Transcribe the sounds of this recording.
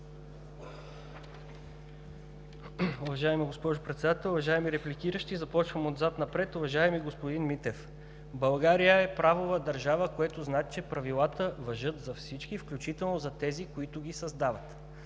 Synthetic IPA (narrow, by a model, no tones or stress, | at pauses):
ʊvɐʒaɛmiɡospɔʒʊpɾɛt̪sɛd̪at̪ɛlˠʊvɐʒaɛmiɾɛplikiɾəʃt̪izɐpɔt͡ʃvəmod̪zat̪nɐpɾɛt̪ʊvɐʒaɛmiɡospod̪inmit̪ɛf | bɐlˠɡaɾijəɛpɾavovəd̪ɐɾʒavəkoɛt̪ʊznat͡ʃɛpɾɐvilˠat̪əvɐʒɤt̪zɐfsit͡ʃkifklʲut͡ʃit̪ɛlˠnozɐt̪ɛzikoit̪ʊɡʲisɐzd̪avɐt̪